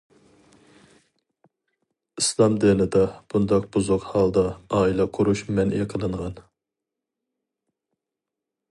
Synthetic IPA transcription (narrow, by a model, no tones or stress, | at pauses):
islˠɑmd̪enɪd̪ɑb̥und̪ɑq̚b̥uzʊqhɑlˠd̪ɑɑːilˠɑqʰoɾuʃmɛnʔiqʰəlˠɨɴʁɑn